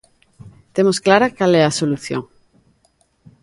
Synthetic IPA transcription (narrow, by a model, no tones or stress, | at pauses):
t̪emosklaɾakalɛasoluθjo̰ŋ